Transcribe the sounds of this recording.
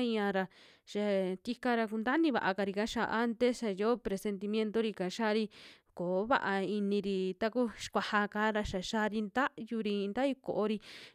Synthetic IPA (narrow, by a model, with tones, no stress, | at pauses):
i˧ã˧ɾa˧ | ʃa˧t̪i˧ka˧ɾa˧ku˧nd̪a˦nĩ˧βa̰˨˧ʔa˧ka˧ɾi˧ka˧˦ʃa̰˧ʔa˦nt̪e˦sʃa˧jo˦pɾe˧se˧nt̪i˧mj̃ẽ˦nt̪o˦ɾi˧ka˨ʃa˦ɾi˧ | ko˨˦βa̰˦ʔa˧i˧nĩ˧ɾi˧t̪a˧ku˦ʃkʷa˧ha˧ka˨˦ɾa˧ʃa˨ʃa˧˦ɾi˧nd̪a˦ʔju˧ɾi˧nd̪a˦ju˧˦ko̰˨ʔo˧ɾi˧